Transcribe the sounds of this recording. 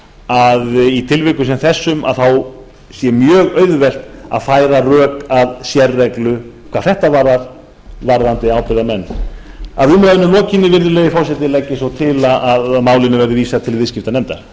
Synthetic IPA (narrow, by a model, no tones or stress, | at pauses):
aðit̪ʰɪlvɪkʏs̬ɛmθɛsːʏma̰ðθaw | sjɛmjœːɣœːɥðʏvɛl̥t̪a̰ðfaːjɾarœːkaðsjɛrːɛklʏkʰvaːðθɛht̪avaɾðaɾ | vaɾðant̪ɪawpɪɾðamɛnːaðʏmɾaðɪnʏlɔːcɪnːɪvɪɾðʏlɛːjɪfɔwsɛt̪ɪlɛcːɪsɔwt̪ʰɪlaʔaðmaːwlɪnʏvɛɾðɪviːsat̪ʰɪlvɪscɪft̪anɛmt̪ḁ